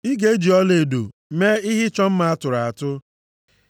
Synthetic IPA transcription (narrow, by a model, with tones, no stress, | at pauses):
i˦ɡe˦d͡ʒi˨ɔ˦le˨do˨me˦ɪ˦ɦɪ˦t͡ʃɔ˦m̩˦ma˨˦a˦tʊ˨ɾa˨a˨tʊ˦